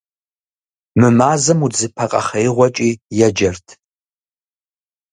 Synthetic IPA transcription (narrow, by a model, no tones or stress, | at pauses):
mɨmaːzɐmud͡zɨpʰɐqʼɐ̰χɐjʁʷɐt͡ʃʼijɛd͡ʒɐrtʰ